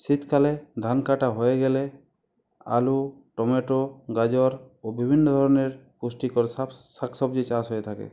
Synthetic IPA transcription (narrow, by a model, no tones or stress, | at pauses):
sit̪ʰkʰalɛd̪ʱankaʈaɦojeɡɛlɛ | a̰luʈɔmeʈoɡad͡ʒɔɾ | obibʱinːɔd̪ʱɔɾɔneɾkusʈikɔɾsasaksɔbd͡ʒit͡ʃãsɦojet̪ʰakɛ̰